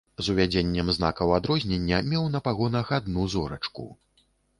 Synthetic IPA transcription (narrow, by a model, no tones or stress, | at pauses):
zuvʲad͡zʲenʲːɛmzna̰kɐwad̪ɾɔzʲnʲenʲːɐmʲɛwnɐpaɣɔnɐxad̪nuzɔɾɐ̰t͡ʂkṵ